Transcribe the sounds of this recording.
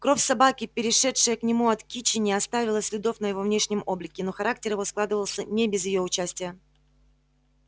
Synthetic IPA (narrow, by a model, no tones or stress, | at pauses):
kɾo̞fʲsɐbakʲɪpʲɪɾʲɪʂɛtʂɨjəknʲɪmuɐt̪kʲit͡ɕɪnʲɪɐst̪avʲɪlˠəsʲlʲɪd̪o̞fnəjɪvo̞vnʲe̞ʂnʲɪmo̞blʲɪkʲɪno̞xɐɾak̚tʲɪrjɪvo̞sklˠad̪ɨvəlˠsʲənʲɪbʲɪzjɪjo̞ʊt͡ɕæsʲtʲɪjə